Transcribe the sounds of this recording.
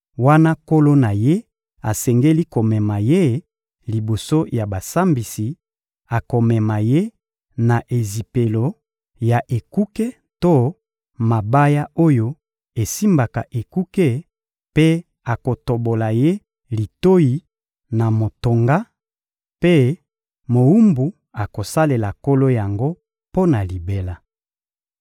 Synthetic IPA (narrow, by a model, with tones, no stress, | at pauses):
wa˦na˦ko˦lo˦na˨je˦ | a˨sɛ˨ŋɡe˦li˦ko˨mɛ˨ma˨je˦ | li˨bo˨so˦ja˨ba˨sa˦mbi˨si˨ | a˨ko˨mɛ˨ma˨je˦ | na˨ʔe˨zi˨pe˨lo˨ | ja˨ʔe˨ku˦ke˦ | to˦ | ma˨ba˦ja˦o˦jo˦ | e˨si˦mba˨ka̰˨ʔe˨ku˦ke˦ | pe˦ | a˨ko˨to˨bo˨la˨je˦ | li˨to˦ji˨ | na˨mo˨to˨ŋɡa˦ | pe˦ | mo˨u˦mbu˨ | a˨ko˨sa˦le˨la˨ko˦lo˦ja˨ŋɡo˦ | po˦na˨li˨be˨la˨